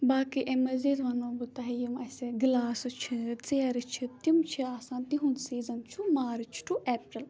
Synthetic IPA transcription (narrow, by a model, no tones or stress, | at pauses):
baːkiʔemɐzeːt̪ʋɐnoːbut̪ɐɦijimɐseɡlaːsɨt͡ʃʰit͡seːɐɾɨt͡ʃʰit̪imt͡ʃʰiaːsãːnt̪iɦunsiːzɐnt͡ʃʰumaːɾɨt͡ʃʰʈʰuʔeːpɾil